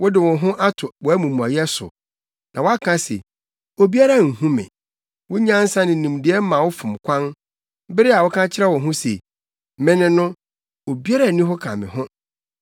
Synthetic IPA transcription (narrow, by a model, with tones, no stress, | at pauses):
wʊ˦dɪ˨wʊ̃˨ɦʊ̃˦ʔa˦tʰʊ˨wɔ˨æ˦mũ˨mũ˨a˨jɛ˦sʊ̰˨ | nʔã˨wa˦kʰã˦sḛ˨ | o˨bi˦a˦ɾa˦˨ŋ̩˨ɦũ˦mɪ̰̃˨ | wʊ̃˦ɲã˦n̩˦sã˦nɪ̃˨nĩ˨mdɪ˨˦ɛ˦mã˨wʊ˦fʊ̃˨mkʷʰã˦n˦ | bɪ˦ɾɪ˦a˨wʊ˦kʰã˦t͡ɕʰɪ˦ɾɛ˦wɔ̃˨ɦʊ̃˦sḛ˨ | mɪ̃˦nɪ̃˨nʊ̃˦ | o˨bi˦a˦ɾa˨nĩ˦ɦʊ˦kʰã̰˨mɪ̰̃˨ɦʊ̃˦